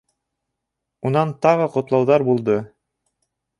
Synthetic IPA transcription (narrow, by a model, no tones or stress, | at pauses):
unɑnt̪ɑʁɤqŏt̪lˠɑwðɑɾbulˠd̪ɤ